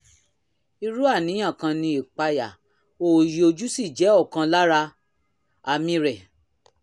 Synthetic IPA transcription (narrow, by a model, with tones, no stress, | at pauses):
i˧ɾu˦a˦˨nĩ˨˦j̃ã˦˨kã˧nĩ˧i˨k͡pa˧ja˨ | o˦˨ji˨o˧d͡ʒu˦si˦˨d͡ʒɛ˨˦ɔ˦˨kã˧la˦ɾa˧ | a˨mĩ˧ɾɛ˨